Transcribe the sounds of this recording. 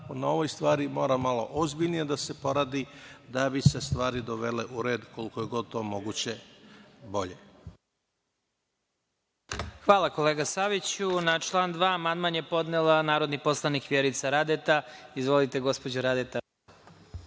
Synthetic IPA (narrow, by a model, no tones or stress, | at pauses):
onaoʋojst̪ʋaːɾimo̞ːɾamalˠo̞̰ʔozbiʎnijed̪asepo̞ɾaːd̪id̪abisest̪ʋaːɾid̪oʋeleʔuɾeːd̪kolikojeɡo̞d̪̚t̪oːmoɡut͡ɕe | bo̞ʎe | xʋaːlˠako̞leːɡasaʋit͡ɕunat͡ʃlˠaːnd̪ʋaːmand̪manje̞po̞d̪nelanaːɾo̞d̪nipo̞slˠanikʋjeɾit̪saɾad̪et̪aizʋo̞lit̪e̞ɡo̞spod͡ʑoɾad̪et̪a